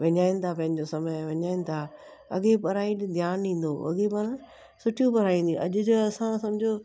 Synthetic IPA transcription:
ʋɐɲaːĩnɪ̆t̪ʰapɐ̃ɦɪ̃ɲd͡ʑosɐməjʋɐɲaːĩnɪ̆t̪ʰa | ɐɠepɐɾaːĩd̪ʱjaːnĩːn̆d̪oɐ̰ɠepɐɾ̃ã | sʊʈʰijũpɐɾaːĩːnd̪ĩʔɐʄʊd͡ʑoɐsãsɐmɪd͡ʑʱo

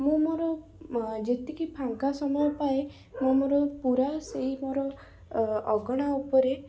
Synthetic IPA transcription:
mũmoɾɔ | d͡ʒet̪ikipʰaŋkasɔmɔjɔpae | mamoɾɔpuɾaseɦimoɾɔ | ɔɡɔɽ̃aupɔɾe

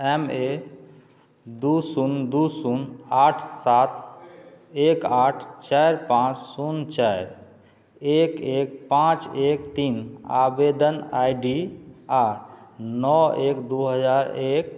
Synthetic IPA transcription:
ɛme | d̪usund̪usunaʈʰsat̪̚ | ekaʈʰt͡ʃajɾpãt͡ʃsunt͡ʃaɪɾ | ekek̚pãt͡ʃek̚t̪ina̰bed̪ənajɖiaɾʰnɔekd̪uɦəd͡ʒaɾek̚

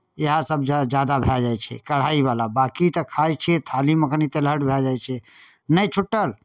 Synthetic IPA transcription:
eɦãsəbd͡ʒd͡ʒad̪abʱɛd͡ʒajt͡ʃʰɛ̰kəɽ̤aiβalabakit̪əkʰajt͡ʃʰɛt̪ʰaliməknit̪eləʈbʱɛd͡ʒajt͡ʃʰɛ | nəjt͡ʃʰuʈːəl

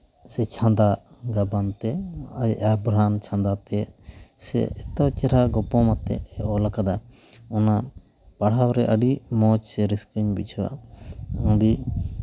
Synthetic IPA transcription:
sɛt͡ʃʰãnd̪aɡabant̪ɛʔabɾant͡ʃʰãnd̪at̪ɛsɛ̰ɛt̪awt͡ʃɛɾaɡɔpɔmat̪ɛ̰ɛɔlakad̪a | ɔna | paɽ̤awɾɛʔəɖimɔt͡ʃsɛɾiskəɲbit͡ʃʰɔwa̰ | ɔ̃ɖi

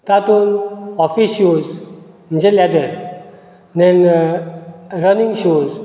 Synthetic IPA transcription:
t̪at̪unɔfisjuz | m̤ə̃nd͡ʑelɛd̪əɾ | nd̪ɛn | ɾənĩŋɡɕuz

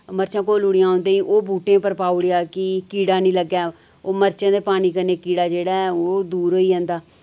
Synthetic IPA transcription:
məɾt͡ʃãːkoːluːɽɪjãːõːnd̪eĩːʔoːbuːʈẽːpəɾpaːuːɽejaːkɪkiːɽaːnĩːləɡjaː | oːməɾt͡ʃãːd̪eːpaːniːkəɾneːkiːɽaːd͡ʒeːɽaːɛoːd̪uːɾɦoːiːɦɛ̃ːnd̪aː

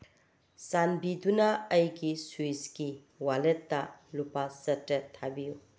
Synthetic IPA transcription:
sanbidunɐːjɡisuiski | waletːɐlupasɐtɾetʰabiju

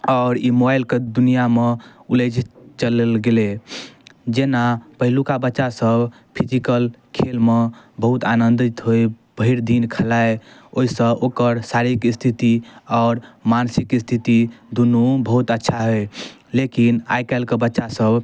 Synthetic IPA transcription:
ɔʊɾimobailked̪unijameuled͡ʒt͡ʃəlelɡele | d͡ʒenapəɦilukabətːʃasəbʱ | pʰid͡ʒikəlkʰelmebəɦut̪anənd̪it̪ɦoj | b̥əɦiɾd̪inkʰəlaeoisə̃ʔokəɾsaɾikist̪ʰit̪iɔʊɾmansikist̪ʰit̪id̪unubəɦut̪ətːʃʰaɦoj | lekina̰jkɛɪlkebətːʃasəbʱ

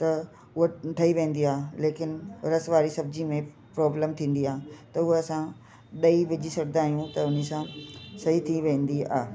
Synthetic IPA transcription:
t̪ɐ | ʊɦoʈʰɐiʋẽːn̆d̪iaːɦeleːkɪnɪɾɐsʋaːɾisɐbɪd͡ʑimẽ | pɾɔːbləmt̪ʰĩːn̆d̪iaːɦt̪ɐʊɦoɐsã | ɗɐiʋɪd͡ʑisɐɾd̪aːɦijũt̪ɐʊnisãsɐɦit̪ʰiʋẽːn̆d̪ia̰ːɦe

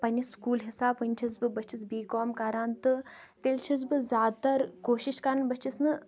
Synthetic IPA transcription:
pɐnʲiskuːlɦisaːbʋɨnʲt͡ʃʰisbɨbɐt͡ʃʰisbiːkoːmkɐɾaːnt̪ɨ | t̪elʲt͡ʃʰis̬bɨzʲjaːd̪̚t̪ɐɾkoːʃiʃkɐɾɐnbɐt͡ʃʰisnɨ

